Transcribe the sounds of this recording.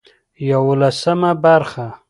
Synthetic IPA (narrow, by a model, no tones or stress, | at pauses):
jawolasəmabaɾxa